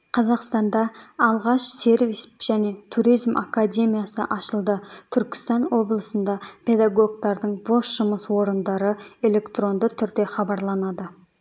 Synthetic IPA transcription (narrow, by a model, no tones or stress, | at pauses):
qʰɑzɑqst̪ɑnd̪ɑːlˠʁɑʃse̞ɾvisʒ̥æne̞t̪ʰuɾijzmʔa̰kad̪ʲe̞mʲijasə̰ʔɑʃəlˠd̪ət̪ʰʏɾkʲɪ̥st̪ɑnwo̞blˠəsənd̪ɑpʰe̞d̪aɡo̞ɡ̚t̪ɑɾd̪əɴbo̞sʒ̥ʊməswo̞ɾənd̪ɑɾəe̞le̞kt̪ro̞nd̪ət̪ʰʏɾd̪e̞χɑbɑɾlˠɑnɑd̪ə